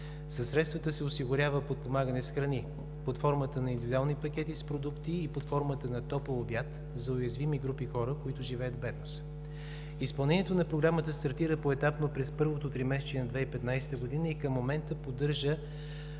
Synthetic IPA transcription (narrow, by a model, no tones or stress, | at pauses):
sɐsːɾɛt̪st̪vət̪əsɛosiɡʊɾʲavəpot̪̚pomaɡənɛsxɾɐni | pot̪fɔɾmət̪ənɐind̪ivid̪ualˠnipɐk̟ʲɛt̪ispɾod̪ukt̪iːpot̪fɔɾmət̪ənɐt̪ɔpəlˠobjat̪ | zɐʊjɐzvimiɡɾupixɔɾəkoit̪ʊʒivɛjəd̪vbɛd̪nos | ispɐlˠnɛnijɛt̪onɐpɾoɡɾamət̪əst̪ɐɾt̪iɾəpoɛt̪apnopɾɛspɤɾvot̪ot̪ɾimɛst͡ʃiɛnɐd̪vɛipɛt̪najsɛ̥t̪əɡod̪inəikəmːomɛnt̪əpod̪ɤɾʒə